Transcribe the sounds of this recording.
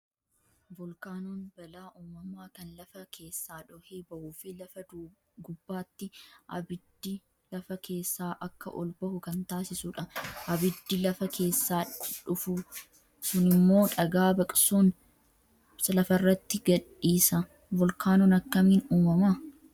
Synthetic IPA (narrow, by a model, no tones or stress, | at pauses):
vɔlkaːnɔnbɐlaːʔuːmɐmaːkɐnlɐfɐkʰe̞ːsːaːᶑɔheːbɐʔuːfɪlɐfɐd | ɡʊbːaːt̪ːɪʔɐ̰bɪd̪ːɪ | lɐfɐke̞ːsːaːʔɐkːɐ̰ʔɔ̰lbɐhʊkɐnt̪aːsɪsuᶑɐʔɐbɪd̪ːɪlɐfɐkʰe̞ːsːaːᶑʊfʊ | sʊnɪmːo̞ːᶑɐɡaːbɐkʼsun | sɐlɐfɐrːɐt̪ːɪɡɐᶑiːsɐ | vɔlkaːnɔnɐkːɐmiːnuːmɐma